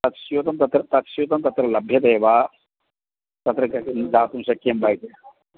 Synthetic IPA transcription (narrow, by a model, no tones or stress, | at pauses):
t̪ɐt̪ʃiot̪ɐmt̪ɐt̪ɾɐt̪ɐt̪ʃiot̪ɐmt̪ɐt̪ɾɐlɐbʱjɐt̪ɐjʋaː | t̪ɐt̪ɾɐkd͡z̪ʱaːt̪umsɐkːembajk̪e